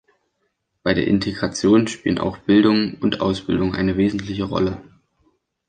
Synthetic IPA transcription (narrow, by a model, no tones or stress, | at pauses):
b̥aɪɾeːɐʔɪntʰeɡʁat͡sjoːnʃpḭːlənʔa̰ʊxb̥ɪldʊŋʊntʔa̰ʊsb̥ɪldʊŋʔa̰ɪnəveːzn̩tlɪçəʁɔ̰lə